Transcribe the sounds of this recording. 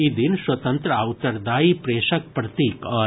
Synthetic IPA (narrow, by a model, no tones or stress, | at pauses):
id̪inswɐt̪ɐ̃nt̪ɾəawt̪ɐɾd̪aːipɾeːʃɐk̚pɾɐt̪iːkɐ